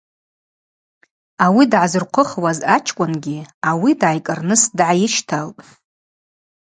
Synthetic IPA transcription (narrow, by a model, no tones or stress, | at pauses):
awidʕazɨrqʷʰʊχwazat͡ʃʰkʷʼʊnɡʲiawidʕajkʼɨrnɨsdʕajɪʃtʰalpʼ